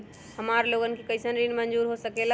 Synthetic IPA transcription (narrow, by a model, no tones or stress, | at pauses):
həmaɾloɡənkikəɪsənɾinmənd͡ʒuɾɦosəkel